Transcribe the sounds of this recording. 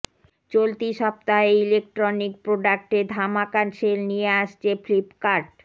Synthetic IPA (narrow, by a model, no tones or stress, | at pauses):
t͡ɕolt̪iʃɔp̚t̪aɦeilek̚ʈɾonik̚pɾoɖak̚ʈed̪ʱamakanʃelnieaʃt͡ɕʰeflipkaɾɖ